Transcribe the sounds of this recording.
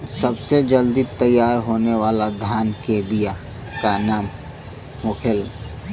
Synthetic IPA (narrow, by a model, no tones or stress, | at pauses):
səbsed͡ʒəld̪it̪əjːaːɾɦoːneʋaːlad̪ʱjaːnkebija | kanaːm | hokʰel